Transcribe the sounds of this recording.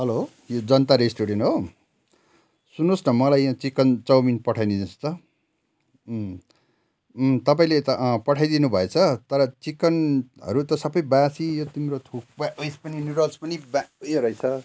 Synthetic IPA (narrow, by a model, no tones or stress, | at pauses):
ɦʌlo | jod͡zʌnt̪aɾesʈoɽenɦo | sunːosnʌmʌlajãt͡sikʌnt͡sʌwminpʌʈʰajnid̪inst̪ʌ | t̪ʌp̬ãĩlet̪ʌpʌʈʰajd̪inubʱʌet͡sʰʌt̪ʌɾʌt͡sikʌnɦʌ̰ɾut̪ʌsʌbʌjbãsijot̪imɾot̪ʰuk̚baʌjspʌninuɾʌlspʌnibajɾʌjt͡sʰʌ